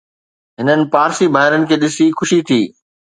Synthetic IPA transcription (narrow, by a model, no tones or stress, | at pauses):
ɦɪnənɪ̆paːɾsibaːɦɪɾənɪ̆kʰeːɗɪsixʊʃit̪ʰiː